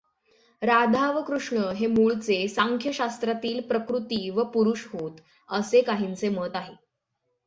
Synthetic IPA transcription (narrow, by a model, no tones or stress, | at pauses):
ɾad̪ʱaʋəkɾuʂɳəɦemuɭt͡sesaŋkʰjəɕast̪ɾat̪iːlpɾəkɾut̪iːʋəpuɾuɕɦot̪ | əsekaɦint͡semət̪aɦe